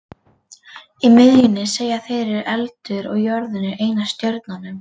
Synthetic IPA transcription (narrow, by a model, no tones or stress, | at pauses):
imɪðjʏnɪseːjːaθejɾɪɾʔɛlt̪ʏɾɔ̰ɣjœɾðʏnɪɾeːjnast̪jœɾt̪nanʏm